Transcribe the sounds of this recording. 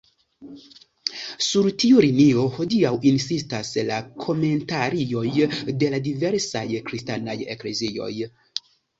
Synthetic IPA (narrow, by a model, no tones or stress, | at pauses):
suɾtiuɾinio̞ho̞diawinsistaslakʰo̞me̞ntaɾio̞jde̞ladive̞ɾsa̰jkɾistanaje̞̰kle̞zio̞̰j